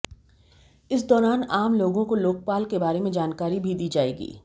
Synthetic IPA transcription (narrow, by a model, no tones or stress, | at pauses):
ɪs̬d̪ɔːɾaːnaːmloːɡõkoloːk̚paːlkebaːɾemẽd͡ʒaːnkaːɾibʱid̪iːd͡ʒaːeːɡḭː